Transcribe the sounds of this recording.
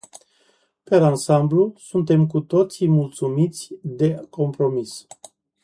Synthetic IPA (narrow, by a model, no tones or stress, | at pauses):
peɾansamblusunt̪e̞mk̬ut̪o̞t̪simult̪sumit̪sʲd̪e̞ko̞mpɾo̞mis